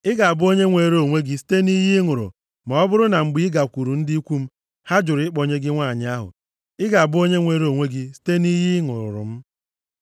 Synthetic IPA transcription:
ɪ˦ɡa˨a˨bʊ˦o˦ɲe˦ŋʷe˨ɾo˦˨ŋʷe˦ɡi˦si̥˦te˦ni˦ɦɪ˦ŋʊ˨ɾʊ̰˨ | ma˨ɔ˦bʊ˦ɾʊ˦na˨ŋ͡m̩˨ɡ͡bi˦ɡa˨kʷu˨ɾu˨n̩˦di˦i˦kʷu˦m̩˦ | ha˦d͡ʒʊ˨ɾɪ˦k͡pɔ˨ɲe˦ɡɪ˦ŋʷa˦˨ɲɪ˦a˦ɦʊ̰˨ | ɪ˦ɡa˨a˨bʊ˦o˦ɲe˦ŋʷe˦ɾo˦˨ŋʷe˦ɡɪ˦si̥˦te˦ni˦ɦɪ˦ŋʊ̰˨ɾʊ̰˨ɾʊ̰˨m̩˦

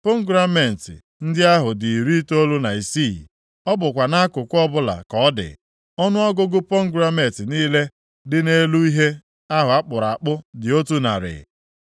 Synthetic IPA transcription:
po˦ŋ˦ɡɾa˦me˨n̩˨tɪ̰˨ | n̩˦dɪ˦a˦ɦʊ˨dɪ˨ɾi˦to˦lu˦na˨i˨si˦˨ | ɔ˦bʊ˨kʷa˨na˦a˦kʊ˨kʷɔ˦bʊ˦la̰˨kɔ˦dɪ̰˨ | ɔ˦nʊ˦ɔ˦ɡʊ˦ɡʊ˦po˦ŋ̩˦ɡɾa˦me˨tɪ˨niː˦le˦ | dɪ˦ne˦lu˦i˦ɦe˦ | a˦ɦʊ˨a˦k͡pʊ˨ɾa˨a˨k͡pʊ˦dɪ˨o˦tu˦na̰˨ɾɪ̰˨

